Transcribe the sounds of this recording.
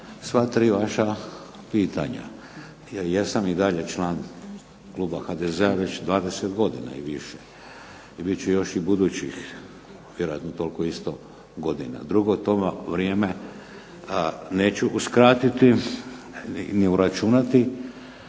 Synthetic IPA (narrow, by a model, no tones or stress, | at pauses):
sʋat̪ɾiːʋaʃa | piːt̪a̰ɲa̰ | jesamid̪aʎe̞t͡ʃlaːn | klˠuːbaxad̪ezeaʋe̞t͡ɕd̪ʋaːd̪eset̪ɡo̞d̪ḭna̰iʋiʃe | ibit͡ɕujo̞ʃibud̪uːt͡ɕix | ʋje̞ɾoja̰t̪not̪o̞lkoist̪o | ɡo̞d̪ḭna̰d̪ɾuɡot̪omʋɾjeːme̞ | neːt͡ɕuʔuskɾat̪it̪i | niuɾat͡ʃunat̪i